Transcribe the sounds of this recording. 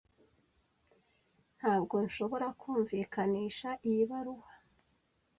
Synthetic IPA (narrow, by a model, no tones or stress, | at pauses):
n̥haːbɡo̞nʃo̞βo̞ɾakʰuːɱviːkʰaniːʃaʔijiβaɾuhḁ